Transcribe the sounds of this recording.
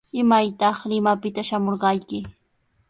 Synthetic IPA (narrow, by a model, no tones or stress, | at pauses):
ɪmajt̪ɑχlɪmapɪt̪aʃamoɾɢɑjkɪ